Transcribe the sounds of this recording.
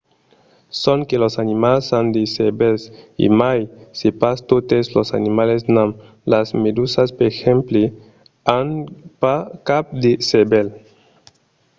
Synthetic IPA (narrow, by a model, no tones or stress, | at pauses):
sõŋkelosanimalsãnd̪esebelsḭmajsepast̪ot̪eslosa̰nimalesnãm | lazmed̪usaspeɾxẽmple | anpakap̚d̪esebel